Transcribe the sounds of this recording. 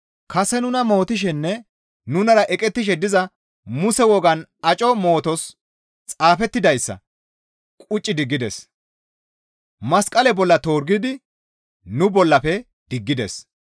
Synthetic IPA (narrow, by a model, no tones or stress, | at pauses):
kɐsɛnʊnɐmo̞ːt̪ɪʃ̬ɛnːɛ | nʊnɐɾɐʔɛkʼɛt̪ːɪʃ̬ɛd̪ɪzɐ | mʊsɛwɔɡɐnɐt͡ʃʼɔmo̞ːt̪ɔs | t͡sʼaːfɛt̪ːɪd̪ɐjsːɐ̰ | kʼʊt͡ʃʼːɪd̪ɪɡːɪd̪ɛ̰s | mɐskʼɐlɛbɔlːɐt̪o̞ːɾɡɪd̪ɪ | nʊbɔlːɐpɛ | d̪̥ɪɡːɪd̪ɛ̰s